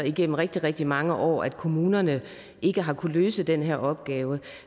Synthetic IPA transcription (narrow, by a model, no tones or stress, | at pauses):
iɡ̥en̰m̩ʁɛɡ̥̚d̥iʁɛɡ̥̚d̥imɑ̈ŋəʔɒ̰ːæd̥̚kʰo̝muːnɐnə | ʔe̝ɡ̥əɦɑ̈kʰuløːsəd̥enɦeɐ̰ɒ̽b̥ɡ̥ɛːʊə